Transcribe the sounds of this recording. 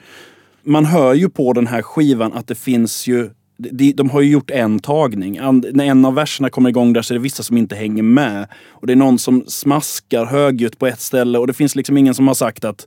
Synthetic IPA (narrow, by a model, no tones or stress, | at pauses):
manɦœːɾjɵpʰɔd̪ɛnɦæːɾɧiːvanʔa̰t̪̚d̪ɛfɪnsjɵ | d̪ɛd̪ɛd̪ɔmɦaɾjɵjʊʈːɛnt̪ʰɑːɡnɪŋannæɾɛnːavːæʂəɳakʰɔmːəɾɪɡɔŋːd̪æːʂɔɛɖɛvɪsːasɔmɪnt̪əɦɛŋːəɾmɛ | ɔd̪ɛːɳɔnːsɔmsmaskaɾɦøːɡʉ̟ːt̪pʰɔɛt̪st̪ɛlːəɔd̪ɛfɪnslɪksɔmɪŋːənsɔmhaʂakt̪at̪